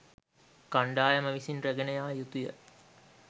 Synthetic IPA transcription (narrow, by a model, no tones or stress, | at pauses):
kaɳɖaːjɐmɐʋisinreɡənəjaːjut̪ujə̰